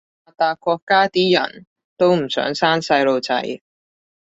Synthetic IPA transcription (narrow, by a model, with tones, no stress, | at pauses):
aː˨t̪aː˨kʷɔː˧kːaː˥t̪iː˥jɐ̰˨˩n | t̪o˥wm̩˨˩sœ̰ː˨˥ŋsaː˥nsɐ˧jlo˨wt͡sɐ̰˨˥j